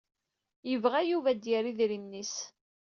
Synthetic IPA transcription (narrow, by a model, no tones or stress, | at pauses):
jəvʁæjuvæd̪jəɾiðɾimnis